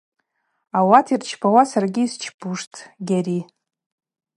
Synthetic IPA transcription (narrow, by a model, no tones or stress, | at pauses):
awatʰirt͡ʃʰpʰawasarɡʲiːst͡ʃʰpʰuʂtʰʼɡʲaɾi